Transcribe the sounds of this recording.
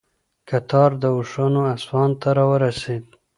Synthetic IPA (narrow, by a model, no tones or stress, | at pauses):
kat̪ʰɑɾd̪əʊʂanoaswɑnt̪aɾɑwəɾased̪